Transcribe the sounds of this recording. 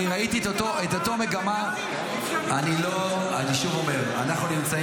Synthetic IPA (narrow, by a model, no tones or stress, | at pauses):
iʁait̪itotoet̪ot̪ome̞ɡama | anilo | aniʃuvo̞me̞ʁa̰naχnunimt͡sa